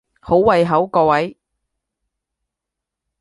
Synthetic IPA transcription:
ho˨˥wwɐ˧jɦɐ˨˥wkɔː˧wɐ˨˥j

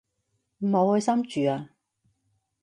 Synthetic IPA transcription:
m̩˨˩ho˨˧whɵ˨˧jsɐ˥mt͡ʃyː˨aː˧

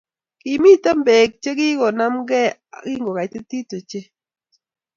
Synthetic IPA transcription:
ki˨mi˦ta˦mbe˨k̚t͡ʃe˦ki˦kɔ˨na˦mɡɛ˦a̰˨kɪ˦ŋɡo˨ka˨i˨te˦ti˦to˨t͡ʃe˦

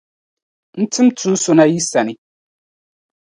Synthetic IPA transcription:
n̩˦tʰɨ˦mtʰu˦so˦na˦ji˦sa˨nɪ˦

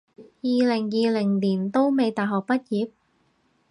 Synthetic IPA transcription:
jiː˨˧lɪ˨˩ŋjiː˨˧lɪ˨˩ŋliː˨˩nt̪o˥wme˨˧jt̪aː˨jɦɔː˨˩k̚pɐ˥t̚jiː˨˧p̚

